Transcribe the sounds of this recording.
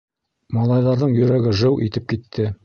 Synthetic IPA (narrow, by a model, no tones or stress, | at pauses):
mɑlˠɑjðɑɾðɤɴjɵ̆ɾæɡɘʒɤwʔit̪ɘp̚kit̪ʰːɘ